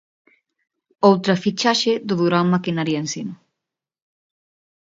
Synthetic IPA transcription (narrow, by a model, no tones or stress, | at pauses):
owt̪ɾafit͡ʃaʃeðʊðuɾamakinaɾjaensima